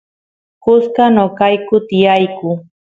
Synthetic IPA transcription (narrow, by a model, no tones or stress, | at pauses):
kʊskanokajkʊt̪ɪjajkʊ